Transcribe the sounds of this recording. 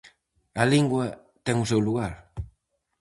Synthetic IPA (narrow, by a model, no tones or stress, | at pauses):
ɐliŋɡwɐ | t̪ɛŋusewluɣaɾ